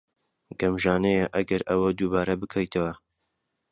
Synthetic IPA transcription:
ɡɐmʒaːnejɐʔɐɡɐɾʔɐwɐd̪uːbaːɾɐbɨkʰɐjt̪ʰɐwɐ

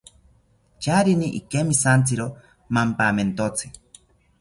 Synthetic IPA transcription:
t͡ʃaɾiniʔikemisant͡sɨɾo | mampament̪ot͡sʰɨ

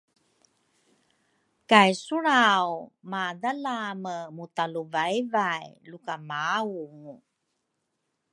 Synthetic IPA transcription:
kajsuɾawmadalaməmutaluvaivajlukamauŋu

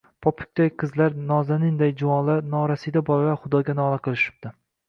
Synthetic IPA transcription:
pʰɒpʰʊ̥k̚ʲt̪ajqʰɨzlaɾnɒzanɪnd̪ajd͡ʒʊwɒlˠaɾnɒɾasijd̪abɒɾwaχʊd̪ɒɡʲanɒlˠaqʰɨlˠɪʃɪ̥b̚t̪ɪ

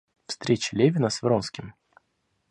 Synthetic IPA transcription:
fst̪ɾʲet͡ɕɪ̥lʲevʲɪnəsvɾonskʲɪm

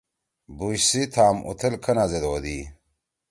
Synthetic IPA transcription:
buɕsit̪ʰaːmʔṵt̪ʰɐlkʰɐnazed̪oːd̪i

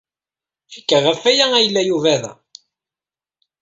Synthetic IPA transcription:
fikːəʁəfæjææjəlːæjuvæðæ̰

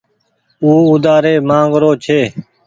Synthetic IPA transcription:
uːʊd̪aːɾeːmãːŋɡɾoːt͡ʃʰeː

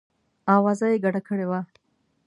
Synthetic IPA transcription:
awazajeɡaʈakəɽewa

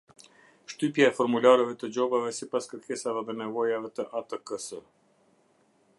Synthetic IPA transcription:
ʃt̪ypjaɛfɔɾmulaɾɛvɛt̪əd͡ʑɔbavɛsipaskəɾkʰɛsavɛðɛnɛvɔjavɛt̪əʔat̪əkəsə

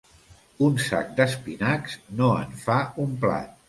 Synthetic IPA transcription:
unsa̰k̚d̪əspinaksnoə̰ɱfaumpla̰t̪̚

